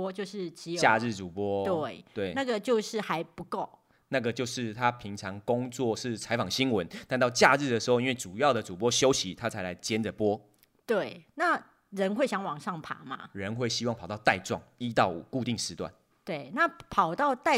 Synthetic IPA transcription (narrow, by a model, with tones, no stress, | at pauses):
t͡ɕjo˥˧ʊʂɻ̩˥˨t͡ɕi˧˥jt͡ɕa˥˧ɻɻ̩˥˨˩t͡su˨˩pwɔ˦˥t̪we˥˩t̪we˥˩ɪna˥˩ɡə˨t͡ɕjo˥˧ʊʂɻ̩˥˩xa˧˥ɪpu˧˦ko˥˩˨ʊ | na˥˩ɡə˩t͡ɕjo˥˧ʊʂɻ̩˥˩t̪ʰa˦pʰi˧˥ŋt͡sʰɑ˧˥ŋkʊ˦ŋt͡swɔ˥˨ʂɻ̩˥˩t͡sʰa˧˥ɪfɑ˨˩ŋɕi˥nwə˨˦nt̪a˥˧nt̪ɑ˥˧ʊt͡ɕja˥˧ɻɻ̩˥˩d̪ə˩ʂɻ̩˧˥xo˥˧i˦nwe˥˩ɪt͡su˨˩jɑ˥˩ʊd̪ə˩t͡su˨˩pwɔ˦˥ɕjo˥ʊɕi˨˦t̪ʰa˦˥t͡sʰa˧˥a˨˦ɪt͡ɕjɛ˦nd͡zə˨pwɔ˦˥ | t̪we˥˩ɪna˥˩ | ɻə˧˦˥nxwe˥˩ɪɕjɑ˧˥ŋwɑ˨˩ŋʂɑ˥˩ŋpʰa̰˨˩˦ma̰˦ɻə˨˦nxwe˥˩ɪɕi˥wŋpʰʊt̪ɑ˥˧ʊt̪a˥˧ɪʈ͡ʂwɑ˥˨ŋi˦˥t̪ɑ˥˩ʊṵ˨˩ku˥˧t̪i˥˨ŋʂɻ̩˧˥t̪wa̰˥˨n | t̪we˥˩ɪna˥˨pʰɑ˨˩ʊt̪ɑ˥˧ʊt̪a˥˧